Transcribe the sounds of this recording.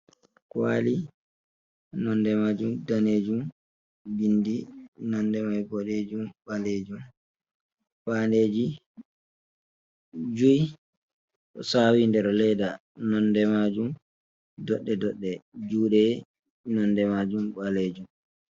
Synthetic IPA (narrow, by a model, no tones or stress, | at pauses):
kwa̰li | nɔndɛmad͡ʒumdaneːd͡ʒum | bindinɔndɛmajboɗed͡ʒumɓaled͡ʒum | fandeːd͡ʒi | d͡ʒuj | ʔɔsawindɛɾɔlɛda | nɔndɛmad͡ʒum | dɔɗːɛdɔɗːɛd͡ʒuːɗɛ | nɔndɛmad͡ʒumɓaleːd͡ʒum